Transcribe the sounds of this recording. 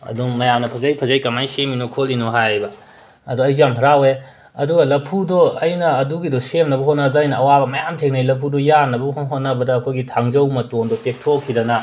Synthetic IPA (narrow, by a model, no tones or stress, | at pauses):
ɐ̰duŋmɐjamnɐpʰɐzɐjpʰɐzajkɐmajseminokʰolinoɦajbɐ | ɐduɐjamɦɐɾawe | ɐduɡɐlɐpʰudɔɐjnɐːduɡidɔsemnɐbɐɦotnɐbːjnɐɐwabɐmɐjamtʰek̚najlɐpʰudɔjanɐbɐɦɦot̚nɐbɐdɐːkʰojɡitʰaŋzɐwmɐtondɔtek̚tʰokʰidɐnɐ